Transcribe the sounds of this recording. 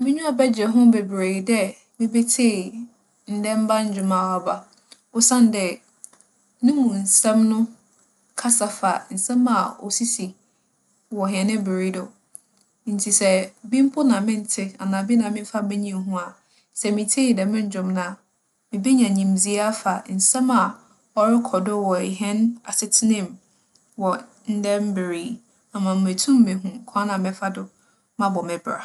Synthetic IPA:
mɪ̃˦ɲᶣũ˦a˨bɛ˦d͡ʑɛ˨ɦʊ̃˦be˨bɾeː˨dɛ˦ | mɪ̃˦be˦tʰe˦˨ | n̩˨dɛ̃˦m̩˦ba˦ɲ̩˦d͡ʑᶣʊ˨mã˨wa˨ba˨ | ɔ˦sã˦n˨dɛ˨ | nɪ̃˦mũ˨n̩˨sɛ̃˦mnʊ̃˦ | kʰa˦sa˦fa̰˨n̩˨sɛ̃˦mːã˨ɔ̰˨si˦si˨ | wɔ˨ɦĩ˨ɛ˨nɪ̃˦bɪ˨ɾe˨˦dɔ˨ | n̩˨tʰi˨sɛ˨bĩ˦m˦pʰʊ˦nã˨mɪ̃˦n˦tʰɪ˦a˨nãː˨bɪ˦nã˨mɪ̃˦m˦fa˦mɪ̃˦ɲĩ˨m˦ɦũ˦a˨ | sɛ˨mɪ̃˨tʰe˦i˨dɛ˨mɪ̃˦ɲ̩˦d͡ʑᶣʊ̃˨mnã˨ | mɪ̃˨bi˦ɲã˨ɲĩ˨m˨zi˦a˦fa˨n̩˨sɛ̃˦ma˨ | ɔ˦ɾɪ˦kʰɔ˨dʊ˦wɔ˨ɦɛ̃˦na˨sɪ˦tʰɪ˦nɪ̃˦˨m | wɔ˨ | n̩˦dɛ̃˦m̩˦bɪ˨ɾiː˦ | a˨mã˨m̩˨mẽ˨tʰũ˦mː˦ẽ˨ɦũ˦˨kʰã˦nã˨mɪ̃˦fa˦dʊ˦ | mã˦bɔ˨mɪ̃˨bɾa̰˨

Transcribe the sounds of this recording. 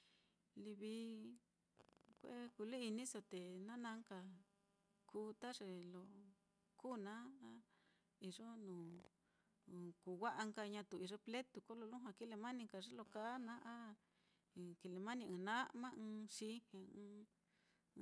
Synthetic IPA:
li˧βi˧˦ | kʷḛ˦ku˧lu˦i˧nĩ˦so˧t̪e˨nã˦nã˧˦ŋka˧ | kʰuː˦t̪a˦ʐe˧lo˧ | kuː˦˨nã˦a˦ | i˧ʐo˦nũː˨˧ | ku˨wa˦ʔa˧ŋka˧ɲã˧t̪u˧˨i˧ʐe˧ple˦t̪u˧ko˦lo˧lũ˦ɦã˧ki˦le˧mã˦nĩ˧ŋka˧ʐe˦lo˧ka˦nã˦ʔa˦˨ | ki˧˨le˧mã˦nĩ˧ɨ̃ː˧nã˦mã˦ɨ̃ː˧ʃi˧˦hẽ˧

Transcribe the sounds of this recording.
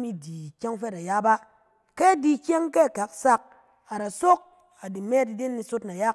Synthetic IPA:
mi˦di˨kʲe˦ŋfe˦ta˨ja˦ba˦ | ke˦˨di˨kʲe˦ŋke˦˨ka˨ksa˦k̚ | a˨ɾa˨so˦k̚ | a˨di˨me˦ti˨de˦nːi˧so˦tna˨ja˦

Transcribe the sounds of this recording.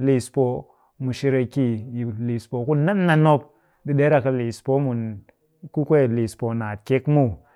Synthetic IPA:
li˨spo˨ | mu˨ʃi˧ɾe˧ki˦ji˨li˨spo˨ku˦na˦nːa˧no˦p̚ | di˨ɗe˦ɾa˨ka˧li˨spo˦mu˨n | ku˦kʷe˦˨li˨spo˨na˨tke˦kmu˦˨

